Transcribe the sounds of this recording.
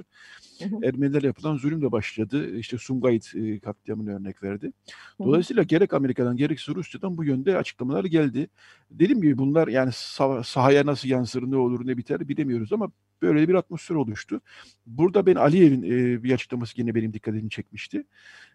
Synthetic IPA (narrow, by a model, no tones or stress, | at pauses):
æɾmeniæɾjapʰɯlˠanzolʲymd̪abaʃlˠad̪ɯiʃt̪ʰɛsumɡajit̪ːkʰatt̪ːijamɯnaø̞ɾnɛcvæɾd̪ɪd̪o̞lˠajsijlˠaɟe̞ɾɛcame̞ɾikʰad̪anɟe̞ɾɛcsiɾusjad̪anbujønd̪ɛa̰t͡ʃʰɯ̥klˠamalˠaɾɟælʲd̪ɪ | d̪e̞d̪imɟibibunlˠaɾjaːnisasaɦajanasɯlˠjansɯɾɯnao̞lˠuɾnɛbit̪ʰæɾbilʲemijo̞ɾuzama | b̥øjlʲeɛbiɾat̪̚mo̞sfeɾo̞lˠuʃt̪ʰʊ | buɾd̪abæna̰lʲije̞vinːbiat͡ʃʰɯ̥klˠamasɯɟenɛbe̞nimd̪ikʰːat̪ʰed̪imt͡ʃʰɛc̚miʃt̪ʰɪ